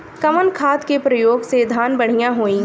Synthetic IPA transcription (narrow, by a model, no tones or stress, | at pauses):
kɐmənkʰaːt̪kepɾɐjoːɡsed̪ʱaːnbɐɽ̤ijãɦoːĩ